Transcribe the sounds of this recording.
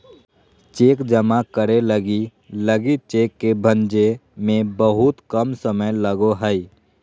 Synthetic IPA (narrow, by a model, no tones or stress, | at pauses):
t͡ʃeːkd͡ʒəmakəɾeləɡi | ləɡit͡ʃeːkːebʱə̃nd͡ʒemẽbəɦʊt̪kəmsəməjləɡoɦəi